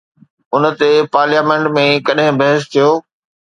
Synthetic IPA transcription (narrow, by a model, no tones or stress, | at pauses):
ʊnə̆t̪epaːɾlijaːmẽɳʈmẽkɐɗɦɪ̃bʱɐɦɪs̬t̪ʰijoː